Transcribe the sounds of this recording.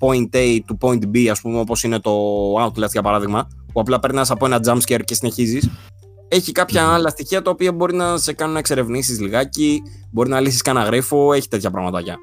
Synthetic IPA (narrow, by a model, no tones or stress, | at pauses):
po̞int̪eit̪upo̞int̪̚biɐspumeo̞po̞sine̞t̪o̞ɐut̪lɐst̪ʝɐpɐɾɐðiɣmɐpuɐplɐpeɾnɐsɐpo̞e̞nɐd͡zɐmsceɾce̞sine̞çizis | e̞çikɐpçɐɐlɐst̪içiɐt̪ɐopiɐbo̞ɾinɐse̞kɐnunɐe̞kse̞ɾe̞vnisizliɣɐcibo̞ɾinɐlisiskɐnɐɣɾifoe̞çi̥st̪e̞t̪çɐpɾɐɣmɐt̪ɐʝɐ̰